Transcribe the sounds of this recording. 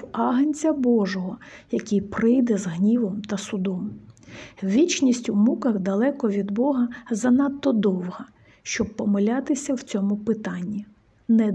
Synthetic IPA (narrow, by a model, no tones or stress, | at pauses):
ɑɦɐnʲt͡sʲɐbɔʒɔɦɔjɐkʲɪjpɾɪjd̪ɛzɦnʲiʋɔmt̪ɐsʊd̪ɔm | ʋʲit͡ʃnʲisʲtʲumukɐxd̪ɐlˠɛkɔʋʲid̪bɔɦɐzɐnɑt̪ːɔd̪ɔwɦɐ | ʃt͡ʃɔbpːɔmɐlʲat̪ɪsʲɐwt͡sʲɔmʊpɪt̪ɑnʲːi | nɛ